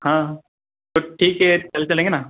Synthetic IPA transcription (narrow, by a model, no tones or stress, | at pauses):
hãː | t̪oʈʰiːkɦet͡ɕɐlt͡ɕɐlẽːŋɡena